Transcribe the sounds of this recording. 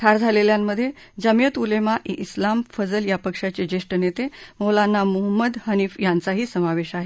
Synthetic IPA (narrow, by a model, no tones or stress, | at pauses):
ʈ̪ʰaɾd͡zʱaleljamːəd̪ʱːje | d͡zəmijət̪ulemaʔiʔislamfəd͡zəljapəkʂat͡sed͡ʑeʂʈənet̪emolanːamuɦəmːəd̪həniːfjant͡saɦiːsəmaʋeɕaɦe